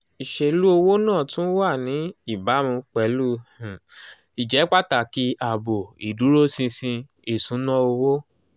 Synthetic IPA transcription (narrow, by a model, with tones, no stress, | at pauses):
i˨ʃe˧lu˦o˧wo˦nãː˦˨tũ˦n̩˦wa˦˨nĩ˨˦i˦˨ba˨˦mĩ˧k͡pɛ˨˦lu˦˨ | i˨d͡ʒɛ˨˦k͡pa˦ta˨ki˧˦a˨bo˨i˨du˨˦ɾo˦sĩ˧sĩ˧ | e˨sũ˨˦nã˦o˧wo˦